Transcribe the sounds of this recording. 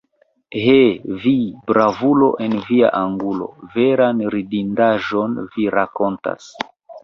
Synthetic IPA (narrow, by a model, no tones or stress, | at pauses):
ɦevibɾavulo̞ʔe̞nvia̰ʔaŋɡulo̞̰ve̞ɾanɾidindaʒo̞nviɾako̞nta̰s